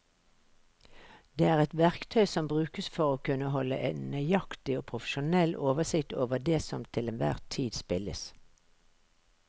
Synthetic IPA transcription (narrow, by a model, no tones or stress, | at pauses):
d̪eːæːʁɛt̪ʋæʁkt̪ʰœʏsɔmbʁʉːkəsfɔʁoːkʉnəɦɔlə̰ʔɛnnœʏjɑkt̪ɪoːpʰʁʊfə̥ʃʊnɛlʔoːʋəsɪkt̪oːʋəd̪eːsɔmt̪ʰɪlɛnʋæ̰ːʁt̪ʰiːd̪spɪlə̰s